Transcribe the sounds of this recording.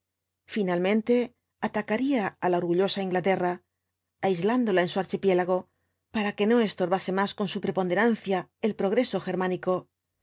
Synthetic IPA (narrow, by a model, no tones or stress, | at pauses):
finalmẽ̞nt̪e̞ | at̪akaɾiaalao̞ɾɣuʎo̞saiŋɡlat̪e̞raː | jzland̪o̞lae̞nsuaɾt͡ʃipje̞laɣ̞o̞ | paɾake̞no̞e̞st̪o̞ɾβase̞masko̞nsupɾe̞po̞nd̪e̞ɾan̟θjae̞lpɾo̞ɣɾe̞so̞xe̞ɾmãniko̞